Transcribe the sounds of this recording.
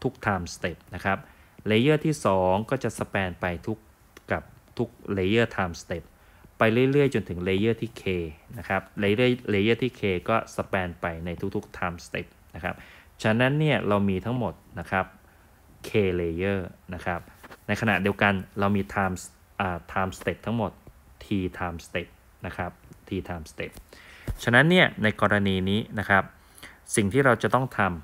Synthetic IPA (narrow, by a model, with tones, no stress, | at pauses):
t̪ʰu˦˥k̚t̪ʰaː˧mst̪e˨˩p̚na˦˥kʰɾa˦˥p̚leː˧jɤː˥˩t̪ʰiː˥˩sɔː˩˦ŋkɔː˥˩t͡ɕa˨˩ʔsa˧pɛː˧npa˧jt̪ʰu˦˥kː | a˨˩p̚ | t̪ʰu˦˥k̚leː˧jɤː˥˩t̪ʰaː˧mst̪e˨˩p̚ː | a˧jɾɯ˥˩jɾɯ˥˩əjt͡ɕo˧nt̪ʰɯ˩˦ŋleː˧jɤː˥˩t̪ʰiː˥˩kʰeː˧na˦˥kʰa˦˥p̚le˧˥˩leː˧jɤː˥˩t̪ʰiː˥˩kʰeː˧kɔː˥˩sa˧pɛː˧npa˧jna˧jt̪ʰu˦˥k̚t̪ʰu˦˥k̚t̪ʰaː˧mst̪ḛ˨˩p̚na˦˥kʰa˦˥p̚ | t͡ɕʰa˦˥nːa˦˥nːi˥˩ɐɾa˧wmiː˧t̪ʰa˦˥ŋmo˨˩t̪̚na˦˥kʰɾa˦˥p̚ | kʰeː˧leː˧jɤː˥˩na˦˥kʰɾa˦˥p̚na˧jkʰa˧na̰˨˩ʔdi˧wka˧nɾa˧wmiː˧t̪ʰaː˧ms | ʔaː˨˩t̪ʰaː˧mst̪e˨˩p̚t̪ʰːa˦˥ŋmo˨˩t̪̚ʰ | iː˧t̪ʰaː˧mst̪e˨˩p̪̚ | na˦˥kʰɾa˦˥p̚t̪ʰiː˧t̪ʰaː˧mst̪e˨˩t̪̚t͡ɕʰa˧na˦˥nːi˥˩ɐna˧jkɔː˧ɾa˧niː˧niː˦˥na˦˥kʰa˦˥p̚ | si˨˩ŋt̪ʰiː˥˩ɾa˧wt͡ɕa˨˩t̪ɔ˥˩ŋt̪ʰa˧m